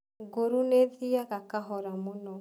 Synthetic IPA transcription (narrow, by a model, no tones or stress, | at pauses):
ɡoɾuneðiaɣakaɦɔɾamonɔ